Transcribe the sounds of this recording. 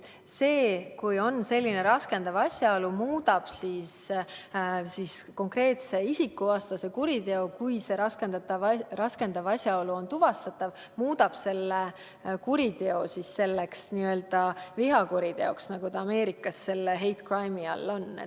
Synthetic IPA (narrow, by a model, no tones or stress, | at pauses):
se̞ːkujo̞nse̞lʲːine̞ɾɑske̞nd̪̥ɑvɑsʲjɑolumuːd̪̥ɑb̥sis | sisko̞ŋkre̞ːt̪se̞isikːˑuɑːst̪ɑse̞kuɾid̪e̞o̞kujse̞ɾɑske̞nd̪̥ɑt̪ːˑɑvrɑske̞nd̪̥ɑvɑsʲjɑo̞luo̞nt̪uvɑst̪ɑt̪ːˑɑv | muːd̪ɑb̥se̞lːe | kuɾit̪e̞o̞sisːe̞lːeksniø̞ːld̪̥ɑviɦɑkuɾid̪e̞o̞ksnɑɡ̥ut̪ɑːme̞ːɾikːˑɑsːe̞lːeɦe̞jt̪krɑjmiɑ̰lːo̞nːḛ